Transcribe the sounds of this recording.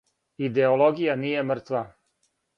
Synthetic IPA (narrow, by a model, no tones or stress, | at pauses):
id̪eolˠoɡijanijemr̩t̪ʋa